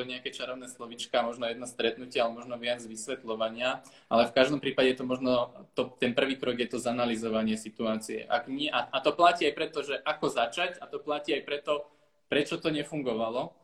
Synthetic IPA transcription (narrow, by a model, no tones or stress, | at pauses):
ɔɲɛakɛt͡ʃaɾɔʊnɛːslɔʋit͡ʃkamɔʒnɔjɛd̪nast̪ɾɛt̪nucɪaalɛmɔʒnɔʋɪad͡zʋisʋɛt̪lɔʋaɲɪa | ʔalɛfkaʒd̪ɔmpɾiːpaɟɛjɛt̪ɔmɔʒnɔt̪ɔt̪ɛnpr̩ʋiːkɾɔɡjɛt̪ɔzanalizɔʋaɲɪɛsit̪uaːt͡siɛ̰ʔaɡɲɪɛʔaat̪ɔplaciːajpɾɛt̪ɔʒɛʔakɔzat͡ʃacat̪ɔplaciːajpɾɛt̪ɔ | pɾɛt͡ʃɔt̪ɔɲɛfuŋɡɔʋalɔ